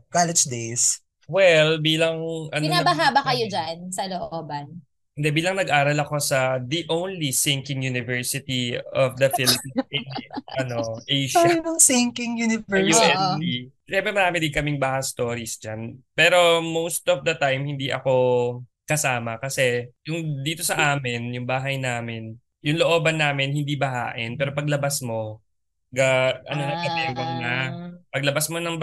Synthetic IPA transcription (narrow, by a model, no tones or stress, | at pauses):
kalɛd͡ʒd̪ejs | wɛlbiːlɐŋʔɐnɪonabɐɦaːbɐkɐjod͡ʒansɐloʔoːbɐn | ɪnd̪ɛbiːlɐŋnɐɡʔaːɾɐlɐko̞sɐd̪iʔownlisɪ̃ŋkɪŋjunɪvɛɹsɪt̪iɔfd̪ɐfɪlɪpininɐno̞ʔejʃnɐŋsɪŋkɪŋjunɪvɛjoɛi | ʃɛmbɛmɐɾaːmɪd̪ɪŋkɐmɪŋbaːhɐst̪o̞ːɾisd͡ʒanpɛːɾo̞mowst̪ɔfd̪ɐt̪ajmhɪnd̪iʔɐ̰ko̞ | kɐsaːmɐkɐsɛjʊŋd̪iːt̪o̞sɐʔaːmɪnjʊŋbaːɦɐjnaːmɪn | jʊŋloʔo̞ːbɐnːaːmɪnhɪnd̪ibɐɦa̰ːʔɪnpɛːɾo̞pɐɡlɐbɐsmo̞ | ɡɐʔɐ̰nonɐɡɐt̪ɛwɐŋnapɐɡ̚lɐbasmo̞nɐŋ